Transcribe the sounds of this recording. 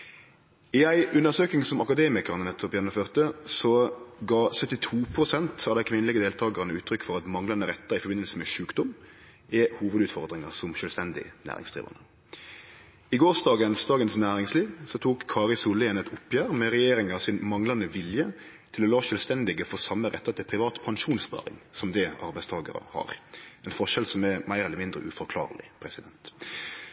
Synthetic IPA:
ɪæɪʔʉnəʁsøːknɪŋsɔmɑkɑd̪eːmɪkəʁnənɛt̪ʰːɔpjɛnɔføːʁt̪əsɔɡɑːsœt̪ːɪt̪ʰuːpʰʁʊsɛnt̪ɑʋd̪æɪkʰʋɪnəlɪɡəd̪eːlt̪ʰɑːɡɑʁnəʉːt̪ʰɾʏkːfɔʁɑt̪mɑŋlɑnəɾɛt̪ːɑʁɪfɔbɪnəlsəmɛʃʉːkd̪ʊm | ɪhuːʋəd̪ʉːt̪fɔʁd̪ʁɪŋɑʁsɔmʃœːlst̪ɛnd̪ɪ̰næ̰ːʁɪ̰ŋsd̪̥ʁḭːʋɑ̰nə | ɪɡoːsd̪ɑːɡənsd̪ɑːɡənsnæːɾɪŋsliːʋsɔt̪ʰuːkʰːɑːʁɪlsʊlːəɛːnɛt̪ʊpːjæːɾmɛɾɛjeːɾɪŋɑsɪnmɑŋlɑnəʋɪljə | t̪ʰɪlɔlɑːʃœːlst̪ɛnd̪ɪɡəfɔʁsɑmːəʁɛ̰t̪ːɑt̪ʰɪlpʰɾɪʋɑːt̪pʰɑnʂuːnspɑ̰ːɾɪ̰ŋsɔmd̪ɛʔɑɾbæɪst̪ʰɑːɡɑ̰ɾə̰hɑ̰ʁɛnfɔʂɛlsɔmɛmæɪɾɛləɾmɪnd̪ɾə̰ʔʉfɔɾkʰlɑ̰ːʁlɪ̰pʰɾɛsɪd̪ɛnt̪

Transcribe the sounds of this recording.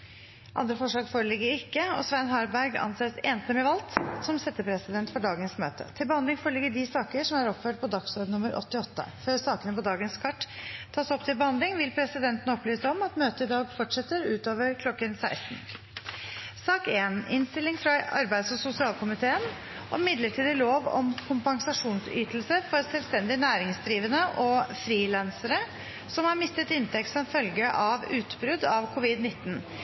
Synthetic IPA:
ʔɑ̰nd̪ɾəfɔʂlɭɑːɡfoːɾəlɪɡːəɾɪkːəɔ̰sʋænɦɑːɾbæɾɡɑ̰nseːseːnst̪əmɛʋɑlt̪sɔmsɛt̪ːəpʰɾɛsɪd̪ɛnt̪fɔɖɑːɡənsmø̰ːt̪ʰə̰t̪ʰɪlbəhɑnd̪lɪŋfoːɾəɭɪɡːəɖɪsɑːkəʂɔmæɾɔpføːʈ̚pʰɔd̪ɑksɔɖnʊməɾʔɔ̰t̪ːɪɔt̪ːə̰føːɾsɑːkənəpɔd̪ɑːɡənskʰɑʈːt̪ʰːɑːsɔpt̪ʰɪlbəhɑnd̪lɪŋʋɪlpʰɾɛsɪd̪ɛnt̪ənəɔplyːsɔmɑt̪møːt̪əɪd̪ɑːɡfɔʈʂɛt̪ːəɾʉːt̪oːʋəɾkʰlɔkːənsæɪst̪n̩ | sɑːkeːnɪnst̪ɪlɪŋfɾɑɑ̰ɾbæɪd̪sɔsʊsɪɑːlkʰʊmɪt̪ʰeːən | ʔɔmɪd̪ləʈʰiːd̪əloːʋɔ̰mkʰʊmpɑŋsɑʂuːnsy̰ːt̪lsəfɔɾsɛlst̪ɛnd̪ɪnæːɾɪŋsd̪ɾiːʋənəʔɔfɾiːlɑnsəɾə | sɔmhɑɾmɪst̪ət̪ɪnt̪ʰɛkt̪sɔnfœlɡəʔɑʋʉːt̪bɾʉd̪ɑʋkʰʊʋɪd̪nɪt̪ːn̩

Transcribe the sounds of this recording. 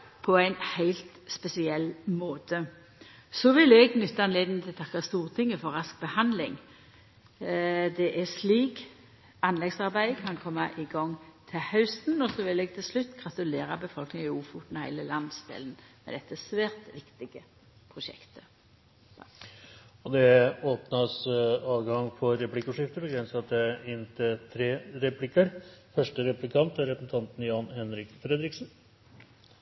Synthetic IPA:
pʰɔæɪnhæɪlt̪spɛsɪɛlːmoːt̪ʰə | sɔʋɪlɛɡnʏt̪ːɑɑnleːd̪nt̪ʰɪlt̪ʰɑkːɑst̪uːʁt̪ʰɪŋːəfɔɾɑsk̚bəhɑnd̪lɪ̰ŋ | d̪ɛʔɛsliːk | ɑnlɛɡsɑɾbæɪkʰɑnkʰɔmːɑʔɪɡɔŋːt̪ʰɪhœʉst̪nɔsɔʋɪlɛɡ̚t̪ʰɪlslʉt̪ːɡʁɑt̪ʉleːɾɑbəfɔlknɪŋɪuːfuːt̪nɑhæ̰ɪləlɑnd̪sd̪ɛ̰ːlənmɛ̰d̪ɛt̪ːəsʋæːɾt̪ʋɪkt̪ɪɡə | pʰʁʊʃɛ̰kt̪ʰə | ɔd̪ɛoːpnɑsɑːʋɡɑŋfɔɾɛplɪkːɔʂɪft̪əɾbəɡɾɛnsɑt̪əɪnt̪ʰɪt̪ʰɾeːɾɛpʰlɪkəɾfœʂʈəɾɛplɪkʰɑnt̪æɾɛpəsn̩t̪ʰɑnt̪n̩jɑːnhɛnɾɪkfɾɛd̪ɾɪksn

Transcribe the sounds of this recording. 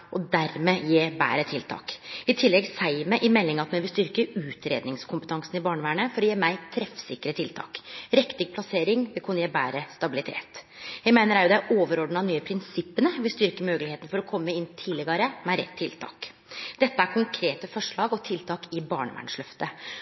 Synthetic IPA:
ʔɔd̪æɾmejeːbæ̰ːɾət̪ʰɪlt̪ʰɑ̰ːkɪt̪ʰɪlːɛɡsæɪməʔɪmɛlːɪŋɑt̪mɛnʋɪlst̪ʏɾkəʉːt̪ɾeːd̪nɪŋskʰʊmpət̪ʰɑŋsn̩ɪbɑːɳəʋæːɳəfɔɾɔjeːmæɪt̪ʰɾɛfsɪkːəɾət̪ʰɪlt̪ʰɑ̰ːkɾɛkt̪ɪɡ̚pʰlɑseːɾɪŋʋɪlkʰʉnəjeːbæːɾəst̪ɑbɪlɪt̪ʰḛːt̪jæɪmæɪnəɾæɾjʊd̪ɛæʔoːʋəɾɔɖn̩ɑnyːəpʰɾɪnsɪpːənəʋɪlst̪ʏɾkəmøːɡəlɪheːt̪n̩fɔɾɔkʰɔmːəɪnt̪ʰɪlɪɡɑɾəmæɪɾɛ̰t̪ʰːɪlt̪ʰɑ̰ːk | d̪̥ɛt̪ːəæɾkʰʊŋkʰɾeːt̪əfɔʂɭɑːɡɔt̪ʰɪlt̪ʰɑːkɪbɑːɳəʋæ̰ːɳʂɭœft̪ə

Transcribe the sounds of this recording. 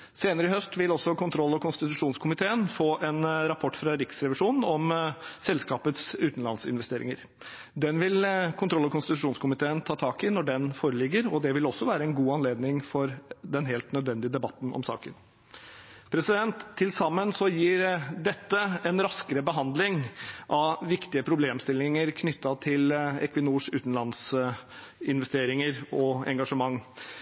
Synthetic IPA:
seːnəɾəɪhœst̪ʋɪlɔsːɔkʰʊnt̪ʰɾɔlːɔkʰʊnst̪ɪt̪ʉʂuːnskʰʊmɪt̪ʰeːənfoːʔɛnɾɑpʰɔʈːfɾɑɾɪksɾɛʋɪʂuːnn̩ɔmsɛlskɑːpət̪sʉːt̪n̩lɑ̰nsɪ̰nʋɛst̪eːɾɪ̰ŋəɾ | d̪ɛnʋɪlkʰʊnt̪ʰɾɔlːɔkʊnst̪ɪt̪ʉʂuːnskʰʊmɪt̪ʰeːənt̪ʰɑːt̪ʰɑːkɪnɔɖɛnfoːɾəlɪɡːəɾɔd̪ɛʋɪlɔsːɔʋæːɾəɛnɡuːɑnleːd̪nɪŋfɔɾd̪ɛnɦeːlt̪nœd̪ʋɛnd̪ɪəd̪ɛbɑt̪ːn̩ʔɔ̰msɑ̰ːkə̰n | pʰɾɛsɪd̪ɛnt̪ʰːɪlsɑmːənsɔjiːɾd̪ɛt̪ːəɛnɾɑskəɾəbəɦɑnd̪lɪŋʔɑʋɪkt̪ɪəpʰɾʊbleːmst̪ɪlːɪŋəɾkʰnʏt̪ːɑt̪ʰɪlɛ̰kʋɪnuːʂʉːt̪n̩lɑns | ɪnʋɛst̪eːɾɪŋəɾɔɛ̰ŋɡɑʂəmɑŋː

